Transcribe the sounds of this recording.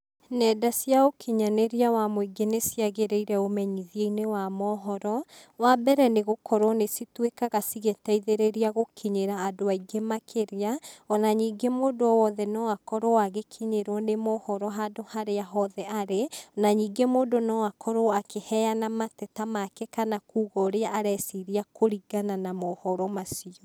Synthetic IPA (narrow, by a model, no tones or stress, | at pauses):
nɛdasjaokʰiɲaneɾiawamoiɡenesiaɣeɾeiɾɛomɛɲiðieinewamɔɦɔɾɔ | wabɛɾɛneɣokɔɾwɔnesitwekaɣasiɣetaiðeɾeɾiaɣokʰiɲeɾaːdoaiɡemakʰeɾeaɔnaɲiːɡemoːdoɔwɔðɛnɔwakɔɾɔwaɣekʰiɲeɾwɔnemɔhɔɾɔɦadohaɾeaɦɔðɛaɾenaɲiːɡemoːdonɔwakʰɔɾɔakehɛjanamatɛtamakɛkanakuːɣɔɾeaʔaɾɛsiɾiakʰoɾiɡananamɔhɔɾɔmasiɔ